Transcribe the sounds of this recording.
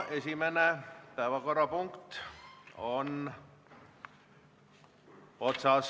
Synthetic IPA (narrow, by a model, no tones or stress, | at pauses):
esimænepæːʋækorɑpuŋkt̪ | on | ot̪sɑˑs